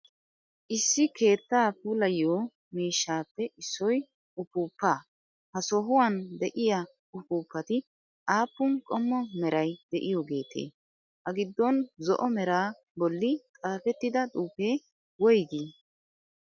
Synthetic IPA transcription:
ʔɪsːɪke̞ːt̪ːaːpuːlɐjoː | miːʃːaːpːɛʔɪsːɔj | ʊpuːpːaː | hɐsɔɦʊwɐnd̪ɛʔɪja | ʊpuːpːɐt̪ɪ | ʔaːpːʊnkʼɔmːɔmɛɾɐjd̪̥ɛʔɪjɔɡe̞ːt̪ʰḛː | hɐɡɪd̪ːɔnzɔ̰ʔɔmɛɾaː | bɔlːɪt̪ʼaːfɛt̪ːɪd̪ɐt̪ʼuːpeː | wɔjɡiː

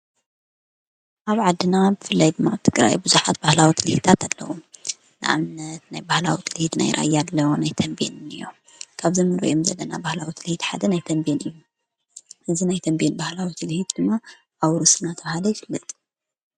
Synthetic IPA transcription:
ʔaβʕad̪ːɨnabɨfɨlːajd̪ɨmːaβt̪ʰɨɡɾa̰jbɨzuħat̪bahlawit̪ʰɨlhit̪ʰat̪ʰalːɐ̰wo | nɨʔa̰mnɐt̪najbahlawit̪ʰɨlhit̪na̰jɾʔa̰jːad̪lɐwonajt̪ʰɐmbḛnnɨjːo̰ | kʰaβzimɨnɾɐ̰ʔjomzɐlːɐnabahlawit̪ʰɨlhit̪ħa̰d̪ɐnajt̪ʰɐmbenɨjːu | ʔɨzinajt̪ʰɐmbenbahlawit̪ʰɨlhit̪d̪̥ɨmːa | ʔawɾusɨnat̪ʰɐβahalɐjɪfɨlːɐt̪ʼ

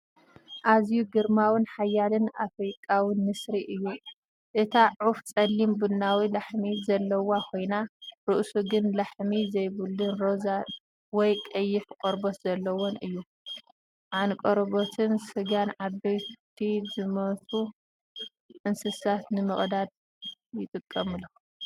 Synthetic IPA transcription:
ʔazjuɡɨɾmawɨnħajːalɨnʔafɾikʼːawinːɨsɾiʔɨjːu | ʔɨt̪ʰaʕuft͡sʼɐlːimbɨnːawilaħmizɐlːɐwakʰo̞jnaɾɨʔsuɡɨnlaħmizɐjbɨlːɨnɾoza | wɔjkʼɐjːɪħkʼoɾbot̪zɐlːɐwonʔɨjːu | ʔankʼoɾbot̪ʰɨnsɨɡanʕabːɐjt̪ʰizɨmɐt̪ʼu | ʔɨnsɨsat̪nɨmɨχʼd̪ad̪̚ | jɪt̪ʼɨkʼːɐmɨlu

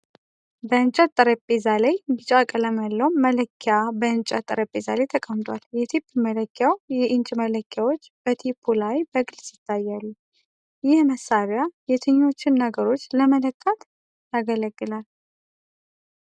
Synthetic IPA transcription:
bəɨnt͡ʃʼat̪ʼːɨɾəpʼːezalajbɨt͡ʃʼakʼələməlːəwmələkʰːɪabəɨnt͡ʃʼat̪ʼːəɾəpʼːeza̰lejt̪ʰəkʼəmt̪ʰwaljɛt̪ʰipʰːmələkʰːjawjɛʔɨnt͡ʃʼmələkʰːjawot͡ʃːb̥ət̪ʰipʰːulajbəɡɨlsɪ̥t̪ʰːajːalːu | jɪhməsaɾjajɛt̪ʰɨɲːo̞t͡ʃːɪnːəɡəɾo̞t͡ʃːləmələkʰːat̪ | jaɡələɡːɨlal

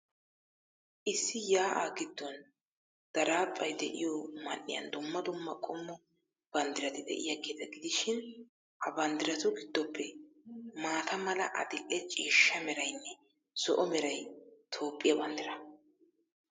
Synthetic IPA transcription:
ʔɪsːɪjaːʔa̰ɡɪd̪ːɔn | d̪̥ɐɾaːpʼːɐjd̪ɛ̰ʔɪjɔmɐnːɪ̰jɐ̰nd̪ʊmːɐd̪ʊmːɐkʼɔmːɔ | b̥ɐnd̪ɪɾɐt̪ɪd̪ɛ̰ʔɪ̰jɐɡeːt̪ɐɡɪd̪ɪʃɪn | hɐbɐnd̪ɪɾɐt̪ʊɡɪd̪ːɔpʰːɛ | maːt̪ʰɐmɐlɐʔɐ̰d̪ɪʔɛt͡ʃʼiːʃːɐmɛɾɐjnːɛ | sɔʔɔmɛɾɐjt̪ʰo̞ːpʼːɪjɐbɐnd̪ɪɾɐ

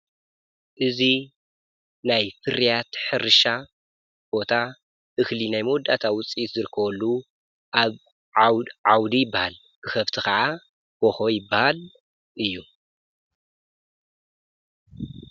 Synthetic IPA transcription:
ʔɨzi | najfɨɾijat̪ħɨɾɨʃa | b̥o̞t̪ʰa | ʔɨxlinajmod̪at̪ʰawʊt͡sʼit̪zɨɾɨkʰːɐwɔlːu | ʔaβ | ʕawd̪ijɪbːahal | kɨxɐβt̪ʰikɐʕa | boxojɪbːahal | ʔɨjːu

